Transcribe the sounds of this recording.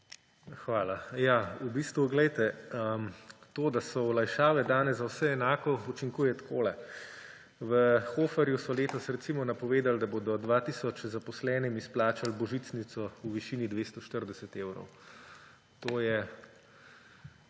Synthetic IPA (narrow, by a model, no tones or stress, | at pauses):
xʋaːlajaubiːst̪ʋuɡlɛjt̪ɛəmt̪oːd̪asɔɔlajʃaːʋɛd̪aːnɛzzawsɛːnaːkɔut͡ʃiŋkuːjɛt̪kʰoːlɛ | ʋəxoːfɛɾjusɔleːt̪ɔsɾɛt̪simɔnapɔʋeːd̪ald̪aboːd̪ɔd̪ʋaːt̪iːsɔt͡ʃzapɔslɛːnimisplaːt͡ʃalbɔʒiːt̪snit̪sɔuʋiʃiːnid̪ʋeːst̪ɔʃt̪əɾd̪ɛsɛt̪eːwɾɔ̰w | t̪oːjɛ